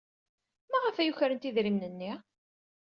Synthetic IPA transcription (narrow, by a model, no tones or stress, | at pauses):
mæʁəfæjuçɾənt̪iðɾimnənːi